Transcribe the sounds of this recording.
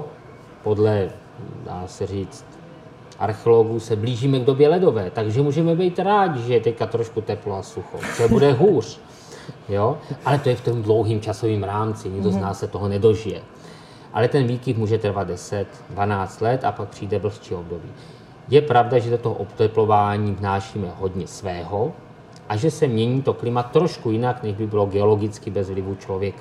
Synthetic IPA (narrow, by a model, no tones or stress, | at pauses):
po̞dlɛ | da̰ːsɛr̝iːt͡st̪ | ʔa̰ɾxɛolo̞ɡusɛbliːʒiːmɛɡdo̞bjɛlɛdo̞vɛːt̪aɡʒɛmuːʒɛmɛbɛjt̪ɾaːɟɪʒɛjɛt̪ɛckat̪ɾoʃkut̪ɛploasuxo̰t͡ʃɛɛbudɛɦuːr̝̥ | joːʔalɛt̪ojɛft̪omdlowɦiːmt͡ʃaso̞viːmɾaːmt͡sɪɲɪɡdo̞znaːsːɛt̪oɦonɛdo̞ʒɪjɛ̰ | ʔa̰lɛt̪ɛnviːkɪfmuːʒɛt̪r̩vad̪̚dɛsɛt̪ | dvanaːt͡st̪lɛt̪a̰pak̚pr̥iːdɛbl̩st͡ʃiːo̞bdo̞biː | jɛpɾavdaʒɛsɛt̪oɦoʔopt̪ɛplo̞vaːɲiːvnaːʃiːmɛɦo̞dɲɛsvɛːɦo̞ | ʔaʒɛsɛmɲɛɲiːt̪oklɪmat̪ːɾoʃkujɪnaknɛʒbɪbɪloɡɛo̞lo̞ɡɪt͡skɪbɛzvlɪvut͡ʃlo̞vjɛka